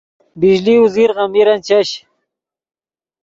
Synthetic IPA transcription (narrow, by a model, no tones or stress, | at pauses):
biʑliuziɾʁɑmiɾɐnt͡ɕaɕ